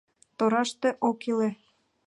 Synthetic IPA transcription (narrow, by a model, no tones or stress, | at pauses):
t̪oɾɑʃt̪eʔokile